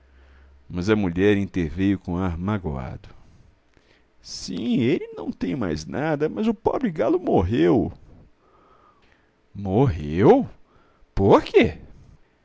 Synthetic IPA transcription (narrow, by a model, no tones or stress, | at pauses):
mɐzɐmuʎɛɾĩnt̪eɾvejʊkõaɾmaɡoa̰d̪ʊ | sĩelɪnɐ̃w̃t̪ẽj̃ma̰jznʔad̪ɐmɐzʊpɔ̰bɾɪɡalʊmoɦew | moɦew | poɾke